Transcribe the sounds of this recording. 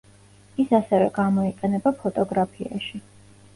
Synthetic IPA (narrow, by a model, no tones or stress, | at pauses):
isasɛvɛ̰ɡamɔiqʼɛnɛbapʰɔt̪ʼɔɡɾapʰia̰ʃi